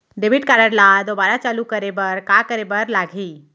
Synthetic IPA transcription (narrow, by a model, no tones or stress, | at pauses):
ɖebiʈ̚kaɾəɽlad̪obaɾat͡salukəɾebəɾkakəɾebəɾlaɡʱiː